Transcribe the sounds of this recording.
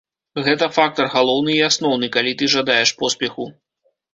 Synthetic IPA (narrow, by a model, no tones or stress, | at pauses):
ɣɛt̪ɐfak̚t̪ɐrɣalˠɔwnɨiasnɔwnɨkalʲit̪ɨʐad̪ajɛʂpɔspʲɛxu